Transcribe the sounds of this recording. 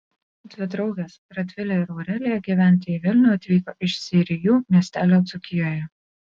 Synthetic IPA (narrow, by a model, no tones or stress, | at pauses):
d̪ʲʋʲɪd̪ɾɔʊʋʲeːsɾɐt̪ʲʋʲɪlʲɛɪɾɔʊɾʲɛːlʲɪjɛɡʲiːʋʲæˑnʲt̪ʲɪiːʋʲɪlʲnʲʊɐt̪ʲʋʲiːkoːʔɪʃsʲɪɾʲɪjuːmʲiɛsʲt̪ʲæːlʲoːt̪sʊkʲɪjoːjɛ